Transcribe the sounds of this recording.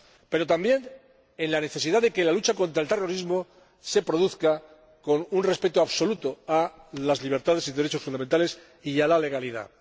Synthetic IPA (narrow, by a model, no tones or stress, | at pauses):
pe̞ɾo̞t̪ambje̞n | e̞nlane̞θe̞siðaðe̞ke̞lalut͡ʃako̞nt̪ɾaelt̪e̞ro̞ɾizmo̞ | se̞pɾo̞ðuθka | ko̞nunre̞spe̞t̪oaβso̞lut̪oalazliβ̞e̞ɾt̪aðe̞siðeɾet͡ʃo̞sfund̪amẽnt̪ale̞s | ialale̞ɣ̞aliða̰